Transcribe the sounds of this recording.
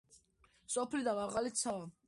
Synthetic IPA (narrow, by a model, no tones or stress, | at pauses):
sʼɔpʰlid̪amaʁalit̪sʰaa